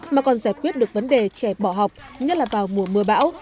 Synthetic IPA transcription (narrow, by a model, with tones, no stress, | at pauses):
maː˨˩kɔ˨˩nzaː˧˩jkwi˦˥ət̚ɗɨ˨˩ək̚və˨˦nɗe˨˩t͡ɕɛ˧˩ɓɔ˧˩ɦa˨˩wk͡p̚ɲə˦˥t̚laː˨˩vaː˨˩wmu˧˩əmɨ˨˩əɓa̰ː˧˥w